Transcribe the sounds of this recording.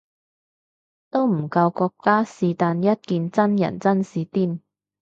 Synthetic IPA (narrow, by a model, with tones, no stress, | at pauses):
t̪o˥wm̩˨˩kɐ˧wkɔː˧kːaː˥siː˨˧t̪aː˨˧njɐ˥t̚kiː˨˧nt͡sɐ˥njɐ̰˨˩nt͡sɐ˥nsiː˨˧t̪iː˥˩m